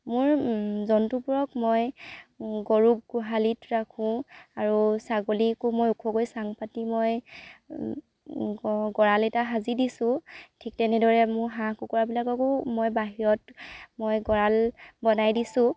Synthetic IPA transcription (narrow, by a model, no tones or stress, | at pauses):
mʊɹzɔntupuɹɔkmoj | ɡoɹuk̚ɡʊɦalitɹakʰũaɹusaɡolikumojukʰɔɡojsaŋpatimoj | ɡɔɹalɛtaɦazidisʊ̃tʰik̚tɛnɛdɔɹɛmʊɹɦãkukɔɹabilakɔkʊmojbaɦiɹɔtmojɡɔɹalbɔnajdisʊ̃